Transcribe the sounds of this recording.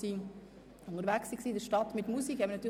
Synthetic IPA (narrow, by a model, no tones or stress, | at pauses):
iː | ʊnəɾʋæksiksiːdəɾʃtɑtmɪtmusikhɛməɾnɑt̪ʰːyː